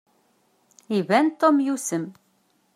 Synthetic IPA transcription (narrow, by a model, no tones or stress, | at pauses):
ivænt̪omjusəm